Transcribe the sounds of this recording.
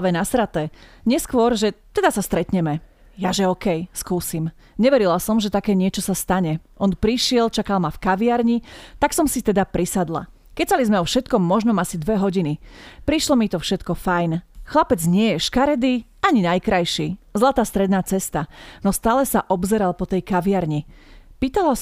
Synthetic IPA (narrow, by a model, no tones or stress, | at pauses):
ʋɛnasɾat̪ɛɲɪɛskʋʊɔɾʒɛt̪ɛd̪asast̪ɾɛt̪ɲɛmɛ | jaʒɛɔkɛjskuːsim | ɲɛʋɛɾilasɔmʒɛt̪akɛːɲɪɛt͡ʃɔsast̪aɲɛʔɔnpɾiʃɪɛlt͡ʃakalmafkaʋiaɾɲit̪aksɔmsit̪ɛd̪apɾisad̪la̰ | kɛcsalizmɛɔfʃɛt̪kɔmːɔʒnɔmasid̪ʋɛɦɔɟinipɾiʃlɔmit̪ɔfʃɛt̪kɔfajnxlapɛd͡zɲɪɛjɛʃkaɾɛd̪iaɲinajkɾajʃiːzlat̪aːst̪ɾɛd̪naːt͡sɛst̪anɔst̪aːlɛsaʔɔbzɛɾalpɔt̪ɛjkaʋɪaɾɲipiːt̪ala